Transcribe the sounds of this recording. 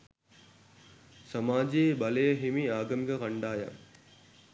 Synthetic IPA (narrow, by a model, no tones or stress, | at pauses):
sɐmaːd͡ʒeːbɐlejəɦimiaːɡɐmiɡəkɐɳɖaːja̰